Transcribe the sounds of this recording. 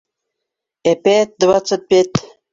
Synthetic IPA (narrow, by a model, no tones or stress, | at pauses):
epet̪̚d̪wat͡sət̪̚pʲet̪